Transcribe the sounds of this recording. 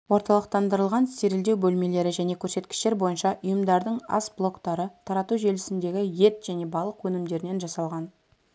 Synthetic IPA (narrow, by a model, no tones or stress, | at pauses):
wo̞ɾt̪ɑlˠəq̚t̪ɑnd̪əɾəlˠʁɑnse̞ɾɪld̪e̞wbɵlme̞le̞ɾɪʒæne̞kʲʰɵɾse̞t̪kʲɪ̥ʃt̪e̞ɾbo̞jənʃɑʔʊjəmd̪ɑɾd̪əɴɑ̰sblˠo̞kt̪ɑɾət̪ʰɑɾɑt̪uʒe̞lɪsɪnd̪e̞ɡʲɪje̞t̪ʒ̥æne̞bɑlˠəqwɵnɪmd̪e̞ɾɪne̞nʒɑsɑlˠʁɑn